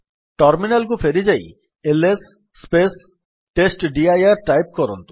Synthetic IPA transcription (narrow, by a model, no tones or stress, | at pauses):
ʈɐɾminalɡufeɾid͡ʑaj | elesː | pes | ʈesʈɖiajaɾʈajp̚kɔɾont̪u̥